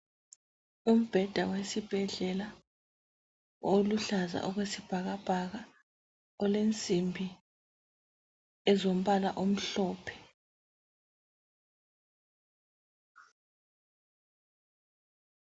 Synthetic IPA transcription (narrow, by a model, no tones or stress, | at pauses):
um̩b̥ʱɛd̥ʱawesib̥ʱɛɮɛla | oluɬaza̰ʔɔɣwesib̥ʱaɣab̥ʱaɣa | ɔlent͡sʼimbʱi | ɛzom̩ɓala̰ʔom̩ɬɔːpʰɛ̥